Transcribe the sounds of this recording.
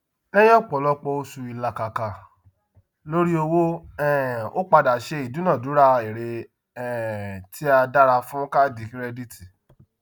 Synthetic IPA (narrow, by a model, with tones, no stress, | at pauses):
ɛ˦j̃ɛ̃˦˨k͡pɔ˨lɔ˧˦k͡pɔ˧o˧su˧i˨la˧ka˨ka˨ | lo˦ɾi˦o˧wo˦ɛ̃˨o̰˦k͡pa˧da˨ʃe˧i˨dũ˨˦nã˦˨du˨˦ɾa˦e˨ɾe˧ | ɛ̃˨tʰi˦a˧da˦ɾa˧fũ˦ka˦di˨ki˦ɾɛ˧di˦ti˨